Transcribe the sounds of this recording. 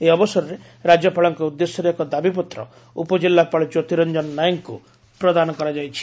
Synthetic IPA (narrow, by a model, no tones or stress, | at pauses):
eɔbɔsɔɾɔɾe | ɾad͡ʒjɔpaɭɔŋkɔud̪ːesjɔɾeekɔd̪abipɔt̪ɾɔ̰ | upɔd͡ʒilːapaɭɔd͡ʒot̪iɾɔnd͡ʒɔnɔnajɔŋku | pɾɔd̪anɔkɔɾad͡ʒajt͡ʃʰi̥